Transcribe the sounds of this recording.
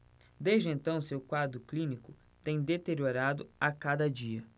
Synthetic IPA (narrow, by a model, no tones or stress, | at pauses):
d̪ejʒd͡ʒɪẽnt̪ɐ̃w̃sewkwad̪ɾʊklĩnikʊ | t̪ẽj̃d̪et̪eɾioɾad̪ʊakad̪ɐd͡ʒiɐ